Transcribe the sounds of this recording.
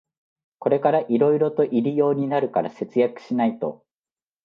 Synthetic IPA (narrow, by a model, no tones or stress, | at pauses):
ko̞ɾe̞kaɾaʔiɾo̞iɾo̞t̪o̞ʔiɾijo̞ːɲ̟inaɾɯ̟kaɾa̰se̞t͡sɨjakɯ̟̥ɕinait̪o̞̰